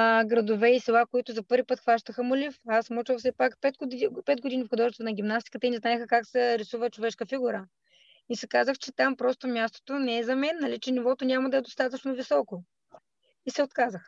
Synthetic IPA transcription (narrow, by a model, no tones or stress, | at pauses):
ɡɾɐd̪ovɛisɛlˠakoit̪ʊzɐpɤɾvʲipɤt̪xvaʃt̪əxəmʊlifasmut͡ʃəfsɛpakpɛt̪pɛt̪̚ɡod̪inifxod̪ɔʒɛst̪ɐnɐɡʲimnast̪i̥kət̪əinɛznaɛxəkaksɛɾisuvət͡ʃovɛʃkəfiɡuɾə | isɛkazəxt͡ʃɛt̪ampɾɔst̪omʲjast̪o̥t̪onɛɛzɐmɛnːɐlit͡ʃɛnivɔt̪onʲamɐd̪ɐɛd̪ost̪at̪ət͡ʃnovisɔko | isɛot̪kazəx